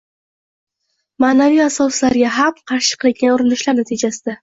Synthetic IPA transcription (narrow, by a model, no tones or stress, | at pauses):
maːnavijasɒslaɾɡʲaɦamqʰɑɾʃɪ̥qʰɨlˠɪɡʲanʊɾɪnɪʃlaɾnat̪ʰɪd͡ʒasɪd̪a